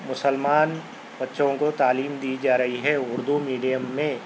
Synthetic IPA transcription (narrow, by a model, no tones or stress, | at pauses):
mʊsəlmaːn | bɐtːʃõkot̪aːliːmd̪iːd͡ʒaːɾɐɦiɦɛʊɾd̪umiːɖijəmːẽ